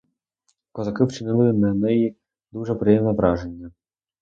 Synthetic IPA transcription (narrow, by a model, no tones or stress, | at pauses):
kɔzɐkɪwt͡ʃɪnɪlˠɪnɐnɛji | d̪uʐɛpɾɪjɛmnɔvɾɑʒenʲːɐ